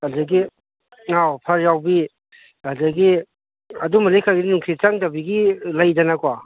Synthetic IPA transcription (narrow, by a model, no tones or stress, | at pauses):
adɐɡi | ŋawpʰaɾjawbi | adaɡi | ɐdumalikʰaɡiinuŋkʰit͡ʃaŋtabiɡilajdɐnakwa